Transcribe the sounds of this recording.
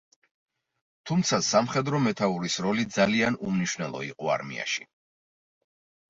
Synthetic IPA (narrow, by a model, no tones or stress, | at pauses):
t̪ʰumt̪sʰasamχɛd̪ɾɔmɛt̪ʰauɾisɾɔlid̪zalianumniʃwnɛlˠɔ̰ḭqʼɔa̰ɾmḭa̰ʃi̥